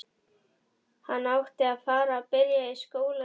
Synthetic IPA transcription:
hanawxt̪eafaɾapeɾjaeʃkowl

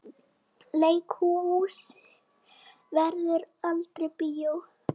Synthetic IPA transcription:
leːjkʰuus | vɛɾðʏɾalt̪ɾepijow

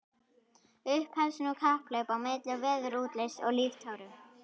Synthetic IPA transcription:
ʏhphɛɾsʏnukʰahplœːɥpawmɪːt̪lɪɣvɛːðʏɾuːt̪lesɔ̰ɣlift̪ʰaːwɾʏm

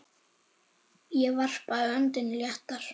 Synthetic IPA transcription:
jɛvar̥paʏœnt̪ɪnljaht̪aɾ̥

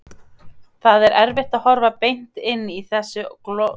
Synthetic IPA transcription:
θaðɛɾʔɛɾvɪht̪aðhɔɾvapejn̥t̪ɪnːiθɛsːʏkl

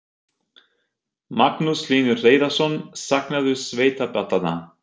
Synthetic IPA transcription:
maknusliːnʏreːjðasɔnsaknaðʏsveːjt̪apɛt̪ːat̪a̰

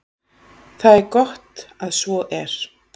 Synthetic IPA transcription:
θaðɛɾkɔht̪aðsvɔʔɛɾ̥

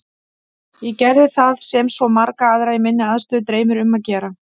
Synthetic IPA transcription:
jɛcɛɾðɪθaðsɛmsvɔmaɾkaaðɾajmɪnːɪaðst̪œʏːðt̪ɾeːjmʏɾʏmːaðcɛːɾa

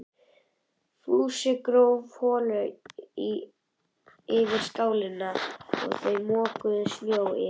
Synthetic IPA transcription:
fuːsɪkɾowvhɔːlʏi | ɪvɪɾ̥skaːwlɪnːaɔ̰ɣθœɥmɔːkʏðʏsnjoːwɪ̰

